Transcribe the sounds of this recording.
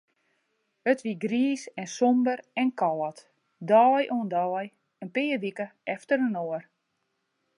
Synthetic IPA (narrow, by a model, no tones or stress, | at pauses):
ətʋiɡriːsɛnsɔmbərɛnkɔlˠət | dɔːjʔoəndɔːj | ənpɪəʋikəɛftəɾənoər